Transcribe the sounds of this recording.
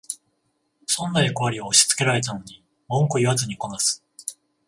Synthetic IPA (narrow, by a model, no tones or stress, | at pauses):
sõ̞nːaeko̞βaɾʲioːɕi̥t͡sɨ̥ke̞ɾaɾe̞t̪ano̞ɲ̟i | mõ̞ŋkoiβat͡sɨɲ̟ikonasɨ̥